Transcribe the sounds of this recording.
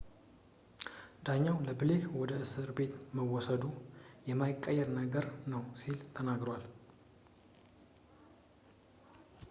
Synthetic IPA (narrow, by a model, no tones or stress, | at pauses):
d̪aɲːawləbɨlekwɔd̪əʔɨsɨɾbe̞t̪məwɔsəd̪ujɛmajɪkʼːəjːɛɾnəɡəɾnəwsilt̪ʰənaɡɾəwal